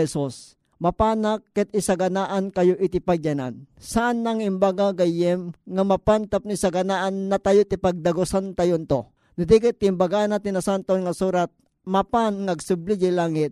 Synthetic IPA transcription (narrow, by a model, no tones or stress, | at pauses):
ɛsus | mapaːnakːɛt̪̚ɪsaɡɐnaʔankɐjoʔɪt̪ɪpaɡjana̰n | saʔanlaŋɪmbaɡaɡajɛmŋamapant̪ap̚nisaɡɐnaʔanːat̪ajot̪ɪpaɡ̚d̪ɐɡosant̪ajont̪o | nʊd̪ikɪt̪ːɪmbaɡanat̪ɪnasant̪oonŋasuːɾat̪̚ | mapanŋaɡsʊblid͡ʒilaːŋɪt̪̚